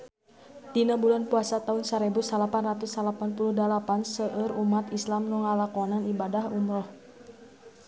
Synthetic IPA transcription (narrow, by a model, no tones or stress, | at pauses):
d̥inabulanpuasat̪aunsaɾɛbusalapanrat̪usalapanpuluhdalapansəʔəɾumat̪islamnuŋalakɔnanibadahumɾɔh